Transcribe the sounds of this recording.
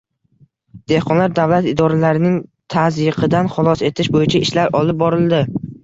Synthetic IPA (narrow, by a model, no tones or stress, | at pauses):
d̪̥e̞hqʰɒnlaɾd̪avlat̪ɪd̪ɒɾalaɾɪnɪŋt̪ʰazɨqʰɨd̪anχʊlˠɒse̞t̪ʰɪʃbojɪt͡ʃʰaʔɪʃlaɾɒlˠɪp̚bɒɾɪlˠd̪ɪ